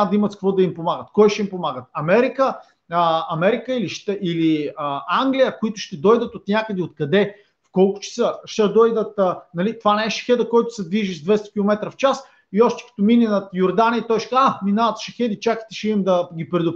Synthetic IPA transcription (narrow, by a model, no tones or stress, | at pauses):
d̪imət̪sk̚kvɔd̪ɐimpomaɡət̪kɔjʃɛimpomaɡət̪̚ɐmɛɾikə | əɐmɛɾikəiliʃt̪ɛiliəaŋɡlʲijəkʊit̪ʊʃt̪ɛd̪ɔjd̪ət̪ot̪nʲjakəd̪ɛot̪kɐd̪ɛ | fkɔlˠkʊ̥t͡ʃɛ̥sɤʃt̪ɛd̪ɔjd̪ət̪nɐlit̪ovanɛɛʃɐ̥xɛd̪əkɔjt̪ʊ̥sɛd̪viʒizd̪vɛst̪ɐ̥kʲilˠomɛt̪ɾəft͡ʃas | iɔʃt̪ɛ̥kɐ̥t̪omininɐt̪joɾd̪anʲiːt̪ɔjʃɛ̥kaaminaət̪ʃɐxɛd̪it͡ʃaki̥t̪ɛʃɛimd̪ɐɡʲipɾɛd̪ʊp